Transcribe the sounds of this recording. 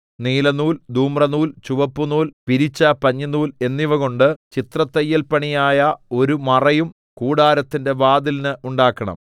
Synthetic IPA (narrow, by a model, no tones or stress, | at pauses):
niːlɐnuːld̪uːmrɐnuːlt͡ɕuʋɐpːunuːlpiɾit͡ɕːɐpɐɲːɐnuːle̞nːiʋɐɣo̞ɳɖɨt͡ɕit̪rɐt̪ːɐjːɐlpɐɳijaːjɐo̞ɾumɐrɐjum | kuːɽaːɾɐt̪ːinde̞ʋaːd̪ilinɨʔuɳɖaːkːɐɳɐ̰m